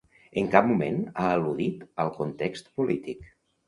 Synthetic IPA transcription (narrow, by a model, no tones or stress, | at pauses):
əŋkap̚mumḛnaəluðit̪əlˠkunt̪ekst̪pulit̪ik